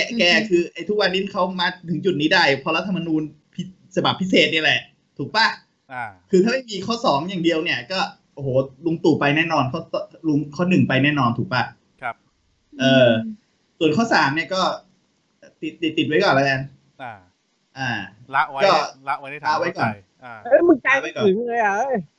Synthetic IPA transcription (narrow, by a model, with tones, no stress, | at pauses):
kɛ˧kɛː˧kʰɯː˧ʔa˧jt̪ʰu˦˥k̚wa˧nːi˦˥˩nkʰa˦˥wmaː˧t̪ʰɯ˩˦ŋt͡ɕu˨˩t̪̚niː˦˥da˥˩jpʰɔ˧ɾa˦˥t̪ʰːma˧nuː˧n | pʰi˦˥ | sa˧ba˨˩pʰːi˦˥s̬eː˨˩t̪̚ni˥˩˨lɛ˨˩ʔ | t̪ʰuː˨˩k̚pa˧˩ | kʰɯː˧t̪ʰaː˥˩ma˥˩jmiː˧kʰɔː˥˩sɔː˩˦ŋjaː˨˩ŋdi˧əwni˥˩ɐkɔː˥˩ʔo˨˧˩hoː˩˦lu˧ŋt̪uː˨˩pa˧jnɛː˥˩nɔː˧nkʰɔ˥˩tɔ˧˩lu˧ŋkʰɔː˥˩nɯ˨˩ŋpa˧jnɛː˥˩nɔː˧nt̪ʰuː˨˩k̚pa˧˩˦ | ʔɤː˧ | su˨˩ənkʰɔː˥˩saː˩˦mni˥˩ɐkɔː˥˩˧ | t̪i˨˩t̪ːi˨˩t̪ːi˨˩wa˦˥jkɔː˨˩nla˦˥ka˧nː˧˩ | ʔaː˧˩a˦˥˦kɔː˥˩˦aː˧˩wa˦˥jkɔː˨˩˨n˧˩ | ɤ˦˥˩mɯ˨˩˦nkaː˧˦u˨˩mɯ˥˩ləː˧jʔa˨˩a˦˥˩j